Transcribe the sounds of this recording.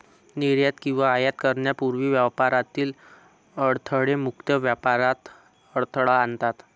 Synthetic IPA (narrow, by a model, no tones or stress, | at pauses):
niɾjat̪kĩw̃ʋaːjat̪kəɾɳjapuɾʋiːʋjapaɾat̪iːl | əɽt̪ʰəɽemukt̪jəʋjapaɾat̪ | əɽt̪ʰəɭaant̪at̪